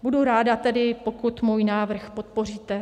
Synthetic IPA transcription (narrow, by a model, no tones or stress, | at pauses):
buduɾaːdat̪ɛdɪpokut̪muːjnaːvr̩xpo̞t̪̚po̞r̝iːt̪ɛ